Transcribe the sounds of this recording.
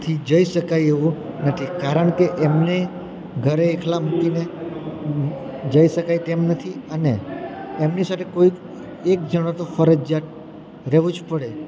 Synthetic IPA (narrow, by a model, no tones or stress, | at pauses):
t̪ʰid͡ʒəiʃəkajeʋu | nət̪ʰikaɾəɳkeʔemne | ɡʱəɾeːkʰlamukine | d͡ʒəiʃəkajt̪emnət̪ʰiəneː | mnisat̪ʰekoik | ek̚d͡ʒəɽ̃at̪ofəɾəd͡ʒat̪̚ | ɾɛʋũd͡ʒpəɽe